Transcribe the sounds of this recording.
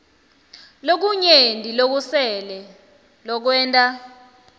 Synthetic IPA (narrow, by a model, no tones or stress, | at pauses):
lok̬uɲendʱʼilok̬usɛlɛ | lɔk̬wɛːntʼa